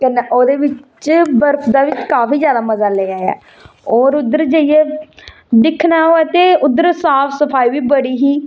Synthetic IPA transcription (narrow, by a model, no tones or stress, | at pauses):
kɛneʔoːd̪eːʋɪt͡ʃt͡ʃbəɾpʰd̪aːʋɪt͡ʃkaːpiːd͡ʒjaːd̪aːməzaːleːaːɛ̰ː | ɔːɾʊd̪əɾd͡ʒəijeː | d̪ɪkʰnaːɦoːɛːt̪eːʊd̪ːəɾsaːpʰsəpʰaːiːʋiːbəɽiːɦiː